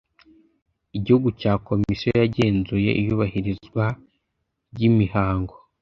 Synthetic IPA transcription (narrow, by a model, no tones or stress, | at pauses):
iɟihuɡucaːko̞misjojaɟe̞ːnzuje̞̰ʔḭjuːβahiɾizɡwa | ɾɟimihaːŋɡo̞